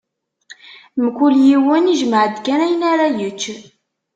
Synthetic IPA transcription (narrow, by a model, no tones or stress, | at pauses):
mkuljiwəniʒməʕəd̪kænæjənaɾajət͡ʃː